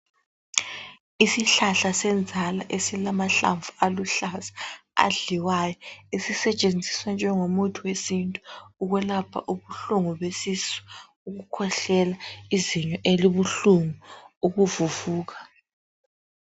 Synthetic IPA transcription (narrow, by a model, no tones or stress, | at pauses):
isiɬaɬasɛnd͡zʱala̰ʔesilamaɬa̰ɱvualuɬasḁa̰ɮiwajɔesisɛt͡ʃʼend͡zʱiswand͡ʒʱɛŋomutʰuwesintʼu̥uɣwɛlapʰa̰ʔuβuɬuŋuβesisɔ̥ | uɣukʰɔɬɛlaiziɲɔʔeliβuɬuŋuuɣuvuvuːɣa